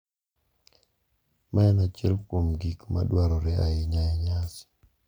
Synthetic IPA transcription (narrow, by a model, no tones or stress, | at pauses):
mʔaɛnat͡ʃɛlkwomɡikma̰dwaɾɔɾɛaɪɲaɛɲas